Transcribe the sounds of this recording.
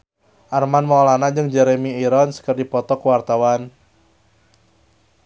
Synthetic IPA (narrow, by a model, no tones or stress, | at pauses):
ʔarmanmɔlanad͡ʒɨŋd͡ʒɛɾemiiɾɔnsə̥kərdipɔt̪ɔkuwart̪awan